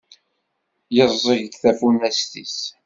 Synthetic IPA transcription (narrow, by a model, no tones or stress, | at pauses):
jəzˤəʝɡθæfunæst̪is